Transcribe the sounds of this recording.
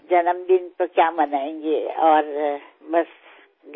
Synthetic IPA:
d͡ʒɐnəmd̪ɪnt̪okjamɐnaːẽːŋɡeɔːɾ | bɐs | ɡ

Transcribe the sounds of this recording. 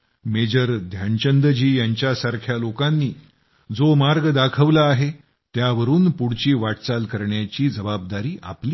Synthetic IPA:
med͡ʑəɾd̪ʱjant͡ɕənd̪əd͡ʑiːjaɲt͡ɕjasaɾkʰjalokanːiː | d͡zomaɾɡd̪akʰəʋlaːɦe | t̪jaʋəɾuːnpuɽt͡ɕiːʋaʈt͡salkəɾɳjat͡ɕiːd͡zəbab̚d̪aɾiːʔa̰pliː

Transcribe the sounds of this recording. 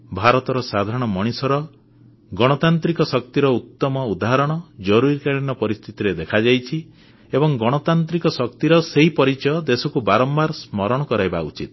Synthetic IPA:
bʱaɾɔt̪ɔɾɔsad̪ʱaɾɔɽ̃ɔmɔɽ̃isɔɾɔ | ɡɔɽ̃ɔt̪ant̪ɾikɔsɔk̚t̪iɾɔut̪ːɔmɔud̪aɦaɾɔɽ̃ɔd͡ʒɔɾuɾikaɽinɔpɔɾist̪ʰit̪iɾed̪ekʰad͡ʒajt͡ʃʰi | ebɔŋɡɔɽ̃ɔt̪ant̪ɾikɔsɔk̚t̪iɾɔseɦipɔɾit͡ʃɔjɔd̪esɔkubaɾɔmbaɾsmɔɾɔɽ̃ɔkɔɾajbaṵt͡ʃḭt̪

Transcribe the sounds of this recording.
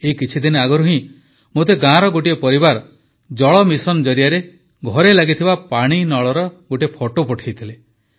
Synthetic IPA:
ekit͡ʃʰid̪inɔaɡɔɾuɦĩ | mot̪eɡãɾɔɡoʈiepɔɾibaɾɔ | d͡ʒɔɭɔmisɔnɔd͡ʒɔɾijaɾe | ɡʱɔɾelaɡit̪ʰibapaɽ̃inɔɭɔɾɔɡoʈiepʰɔʈopɔʈʰajt̪ʰile

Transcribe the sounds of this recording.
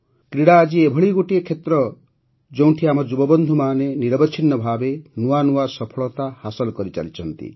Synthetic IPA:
kɾiɽaːd͡ʒiebʱɔɭiɡoʈiekʰet̪ɾɔ | d͡ʒow̃ʈʰiamɔd͡ʒubɔbɔnd̪ʱumaːneniɾɔbɔt͡ʃʰinːɔbʱabenuanuasɔpʰɔɭɔt̪ahasɔlɔkɔɾit͡ʃa̰lit͡ʃʰɔnt̪ḭ

